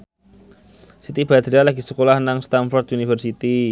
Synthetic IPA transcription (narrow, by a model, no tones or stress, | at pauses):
sit̪ib̥ad̪ɾialaɡisəkolahnaŋst̪anfɔrd̪̚ʔunifərsit̪i